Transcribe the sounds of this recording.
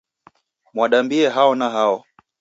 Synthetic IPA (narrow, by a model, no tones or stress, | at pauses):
mwaɗambiɛɦaɔnaɦaɔ